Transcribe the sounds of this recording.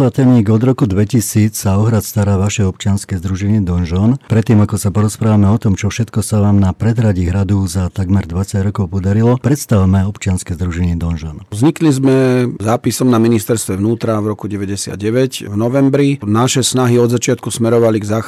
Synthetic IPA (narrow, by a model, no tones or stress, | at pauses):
at̪ɛniːɡɔd̪ɾɔkud̪ʋɛcisiːt͡ssaɔɦɾat̪st̪aɾaːʋaʃɛɔp̚t͡ʃɪanskɛzd̪ɾuʒɛɲɪɛd̪ɔnʒɔnpɾɛt̪ːiːmakɔsapɔɾɔspɾaːʋamɛɔt̪ɔmt͡ʃɔfʃɛt̪kɔsaʋaːmnapɾɛd̪ɦɾaɟiɦɾad̪ɔzat̪aɡmɛɾd̪ʋat͡saɟɾɔkɔʊpɔd̪aɾilɔpɾɛt̪st̪aʋmɛɔpt͡ʃɪanskɛzd̪ɾuʒɛɲɪɛd̪ɔnʒɔnzɲiklizmɛzaːpisɔmnaminist̪ɛɾst̪ʋɛʋnuːt̪ɾavɾɔkuɟɛʋɛɟɛsɪa̰d̪̚ɟɛʋɛcvnɔʋɛmbɾinaʃɛsnaɦiɔd̪zat͡ʃɪat̪̚kusmɛɾɔʋaliɡzaːx